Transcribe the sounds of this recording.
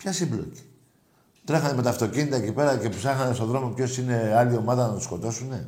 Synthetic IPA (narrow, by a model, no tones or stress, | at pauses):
pçɐsiblo̞̰ci̥ | t̪ɾexɐnemet̪ɐft̪o̞cinit̪ɐecipe̞ɾɐce̞psɐxɐnest̪o̞ðɾo̞mo̞pço̞sine̞ɐlio̞mɐðɐnɐt̪u̥sko̞t̪o̞sune̞